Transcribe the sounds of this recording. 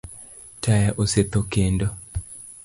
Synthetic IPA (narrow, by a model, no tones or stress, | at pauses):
tʰajaʔoset̪okendɔ